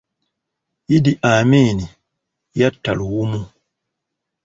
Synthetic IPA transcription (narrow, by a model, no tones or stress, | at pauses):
idiʔaːmini | jatːa̰lwumu